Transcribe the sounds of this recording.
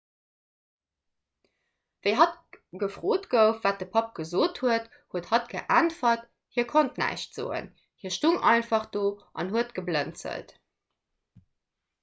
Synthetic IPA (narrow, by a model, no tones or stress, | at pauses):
vəɪɦɑt̚ɡ̥əfʁ̥oːtɡəʊfvaːt̚d̥əpʰɑp̚ɡ̥əzoːthuət | huəthɑt̚ɡ̥əʔæntfɐt | hiːɐkʰontnæ̰ɪɕtz̥o̰ːə̰n | hiːɐʃtuŋɑɪnfɑχd̥oːʔɑ̰nhuətɡ̥əblənt͡sə̰lt